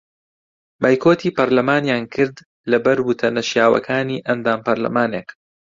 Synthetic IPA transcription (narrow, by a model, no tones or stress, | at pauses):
baːjkʰoːt̪ʰiːpɐɾlɐmaːnjaːnkʰɨɾd̪ | lɐbɐɾwʊt̪ʰɐnɐʃjaːwɐ̰kʰaːniːʔɐnd̪aːmpɐɾlɐ̰maːneːk